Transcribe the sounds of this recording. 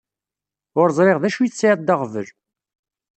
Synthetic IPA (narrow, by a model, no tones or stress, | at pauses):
ʊɾzˤɾeʁðæʃujθt͡sːʕɑt̪̚d̪ɑʁvəl